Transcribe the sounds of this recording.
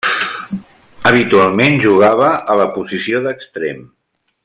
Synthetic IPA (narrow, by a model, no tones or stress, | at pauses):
əβ̞it̪ualˠmenʒuɣ̞aβ̞əələpuzisioðəkst̪ɾḛm